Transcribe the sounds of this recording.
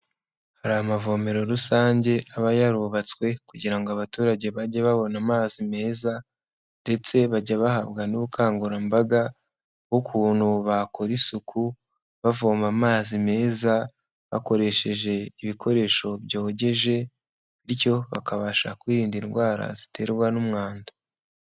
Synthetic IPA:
haɾamavo̞me̞ɾoɾusaːɲɟe̞ʔaβajaɾuβat͡swe̞kuɟiɾaŋɡoaβatuːɾaɟe̞βaɟaβaβo̞namaːzime̞ːza | nde̞t͡se̞βaɟaβahaβɡanuβukʰaːŋɡuɾambaɡa | ɡokʰuːn̥huβako̞ɾisukʰu | βavoːmamaːzime̞ːza | βa̰ko̞ɾe̞ʃe̞ʒe̞iβikʰo̞ɾe̞ʃo̞βjo̞ːɟe̞ʒe̞ | iɾico̞βa̰kaβaʃakwiɾiːndinɡwaːɾa̰zi̥te̞ɾɡwanumŋaːnda

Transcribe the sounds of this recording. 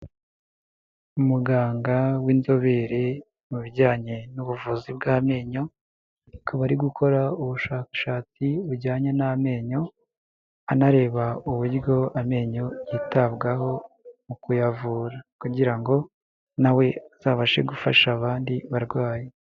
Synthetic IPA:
umuɡaːŋɡawinzo̞βe̞ɾe̞ | muβiɾɟaːɲe̞nuβuvuzibɡaːme̞ːɲo̞ | kʰaβaɾiɡukʰo̞ɾauβuʃaːkḁʃaːt͡siuɾɟaːɲename̞ːɲo̞ | anaɾe̞ːβauβuɾjɟo̞ame̞ːɲo̞jitabɡaho̞ | mukujavuːɾakuɟiɾaŋɡo̞ | nawe̞z̥aːβaʃe̞̰ɡufaʃaːβaːndiβaɾɡwaːje

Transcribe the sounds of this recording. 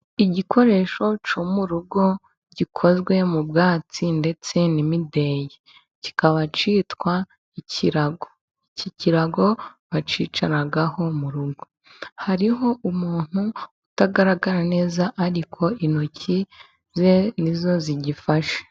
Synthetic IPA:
iɟikʰo̞ɾe̞ːʃo̞t͡ʃomuɾuɡo̞ | ɟikʰo̞zɡwe̞mubɡaːt͡sinde̞t͡se̞nimide̞je | ci̥kaβat͡ʃiːtwa | iciɾaɡo | iciciɾaɡo̞βat͡ʃiːt͡ʃaɾaɡaho̞muɾuɡo̞ | haɾiɦo̞umuːn̥huutaɡaɾaɡaɾane̞ːzaʔaɾikʰo̞inocʰi | zenizo̞ziɟifaʃe̥

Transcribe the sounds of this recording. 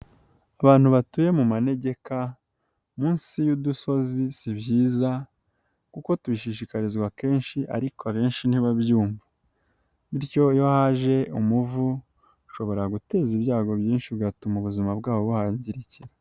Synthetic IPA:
aβaːn̥uβatuje̞mumane̞ɟe̞ka | muːnsijuduso̞zisibjiːza | kuko̞tuβiʃiʃikaɾizɡwake̞ːnʃiʔa̰ɾikoaβeːnʃin̥iβaβjuːmva | βiɾjo̞jo̞haʒe̞ʔumuvu | ʃo̞βo̞ɾaɡute̞ːziβjaːɡo̞βjiːnʃiβɡatumuβuzimabɡaːβo̞βuhaːɲɟiɾiciɾa

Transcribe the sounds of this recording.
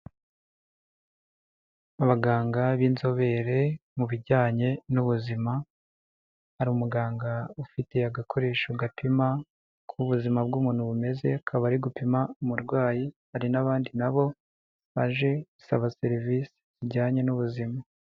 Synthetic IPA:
aβaɡaːŋɡaβiːnzo̞βe̞ɾe̞muβiɟaːɲe̞nuβuzima | haɾiumuɡaːŋɡaufite̞aɡakʰo̞ɾe̞ːʃuɡapʰima | kʰuβuzimabɡuːmuːnhuβume̞ze̞akʰaβaɾiɡupimaumuɾɡwaːjihaɾinaβaːndinaβo̞ | βaʒe̞ɡu̥saβase̞ɾiviːsi̥z̥iɟaːɲe̞nuβuzima

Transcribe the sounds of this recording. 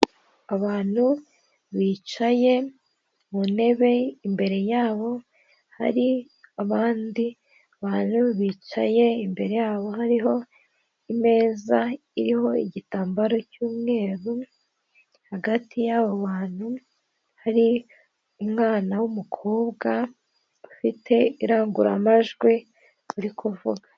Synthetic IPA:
aβaːn̥hu | βiːt͡ʃaje̞ | mune̞βe̞imbe̞ɾe̞jaːβo̞ | ha̰ɾi | aβaːndi | aβaːn̥huβiːt͡ʃa̰je̞imbe̞ɾe̞jaːβo̞ɦaɾiɦo̞ | ime̞ːza | iɾiho̞iɟitaːmbaɾo̞cuːmŋe̞ːɾu | haɡatʰijaβoβaːn̥hu | haɾi | umŋaːnawumukʰoːβɡa | ufitʰe̞iɾaːŋɡuɾa̰maʒɡwi | βuɾikʰovuɡḁ

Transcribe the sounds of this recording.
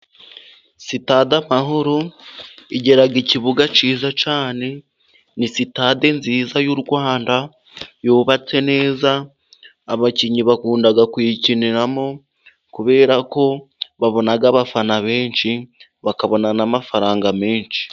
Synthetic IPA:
sitaːdamaɦoɾo | iɟe̞ɾaɡiciβuɡat͡ʃiːzat͡ʃaːne̞ | nisitade̞nziːzajuɾɡwaːnda | joːβat͡se̞ne̞ːzaː | βaciɲiβakuːndaɡakwiciniɾamo̞ | kuβe̞ːɾako̞βaβo̞naɡaβafanaβe̞ːnʃi | βakaβo̞nanamafaɾaːŋɡameːnʃi̥

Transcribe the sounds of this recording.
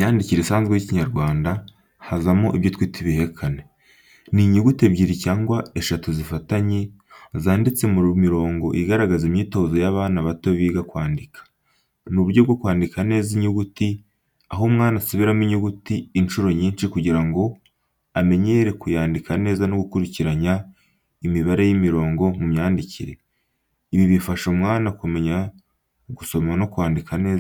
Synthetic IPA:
jaːndiciɾesaːnzɡwejiciɲaɾɡwaːnda | hazamoʔiβjotwiːtʰiβihekʰane̞ | niɲuɡuteβɟiːɾicaːŋɡwae̞ʃatuzifataɲe | zaːndit͡se̞muɾmiɾo̞ːŋɡo̞ʔiɡaɾaɡazimɲiːto̞ːzo̞jaβaːnaβatoβiːɡakwaːndikʰḁ | nuβuɾɟobɡokwaːndikane̞ːziɲuɡuti | aɦomŋaːnasuβiɾamiɲuɡutiːnʃuɾo̞ɲiːnʃikuɟiɾaŋɡo̞ | ame̞ɲe̞ɾe̞kujaːndikane̞ːzano̞ɡukuɾiciɾaɲa | imiβaɾe̞jimiɾo̞ːŋɡo̞mumɲaːndiciɾe̞ | iβiβifaʃomŋaːnakume̞ɲa | ɡuso̞mano̞kwaːndikʰane̞ːz

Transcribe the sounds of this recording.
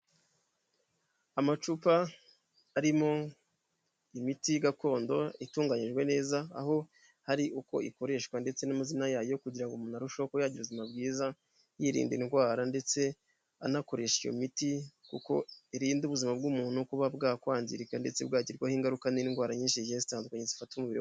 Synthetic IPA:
amat͡ʃupaː | ɾimo̞ | imitiɡako̞ːndo̞ituːŋɡaɲiʒɡwe̞ne̞ːza̰ːho̞ | haɾiʔuko̞̰ʔiko̞ɾe̞ʃkwande̞t͡se̞namazinajaːjo̞kuɟiɾaŋɡomunaɾuʃokojaɟiɾuβuzimabɡiːza | jiɾḭːndḭnɡwaːɾande̞t͡se̞ | a̰nako̞ɾe̞ʃijo̰mitikṵko̞̰iɾiːnduβuzimab̚ɡuːmuːn̥ukuβabɡakwaːnzḭɾikande̞̰t͡sebɡaːɟiɾɡwahiːŋɡaɾukaninɡwaːɾaɲiːnʃijezi̥taːndukaɲezifatumuβiɾi

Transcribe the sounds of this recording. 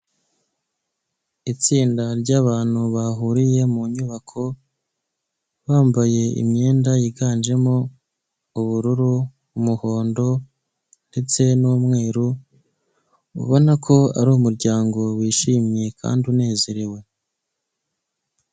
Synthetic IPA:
it͡siːndaɾɟaːβaːn̥huβaɦuɾije̞muɲuβakʰo̞ | βaːmbaje̞ḭmɲe̞ːndajiɡaːnd͡ʒe̞mo | uβuɾuɾuː | muho̞ːndo̞ | nde̞t͡se̞noːmŋe̞ːɾu | ṵβo̞nakʰo̞a̰ɾuumuɾɟaːŋɡo̞wiːʃiːmɲe̞kʰa̰ːndiune̞ːze̞ɾiwe̞

